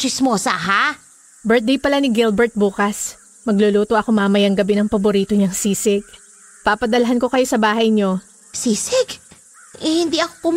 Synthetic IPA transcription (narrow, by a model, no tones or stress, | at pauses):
t͡ʃɪsmoːsɐɦa | bɛɹt̪̚d̪ejpɐlanɪɡɪlbɛɹt̪̚buːkɐs | mɐɡloluːt̪oʔɐko̞maːmɐjɐŋɡɐbɛnɐŋpɐboɾiːt̪oɲɐŋsiːsɪɡ̚ | papɐd̪ɐlɐɦɐnko̞kɐjo̞sɐbaːɦɐjɲo̞ | siːsɪɡ | ʔɛhɪnd̪iʔɐko̥pʊm